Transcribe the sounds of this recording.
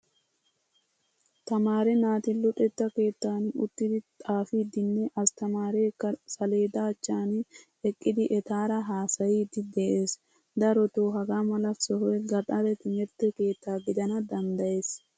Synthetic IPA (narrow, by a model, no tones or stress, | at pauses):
t̪ɐmaːɾɛnaːt̪ɪlʊᶑɛt̪ːɐke̞ːt̪ːaːnʊt̪ːɪd̪ɪt̪ʼaːfid̪ɪnːɛʔɐst̪ɐmaːɾɛkːɐsɐleːd̪aːt͡ʃːaːn | ɛkʼːɪd̪ɪʔɛt̪aːɾɐɦaːsɐjiːd̪ɪd̪eʔeːs | d̪ɐɾɔt̪oːɦɐɡamɐlɐfsɔɦɔɛɡɐᶑɐɾɛt̪ɪmɛɾt̪ːɛke̞ːt̪ːaːɡɪd̪ɐnɐd̪ɐnd̪ɐje̞ːs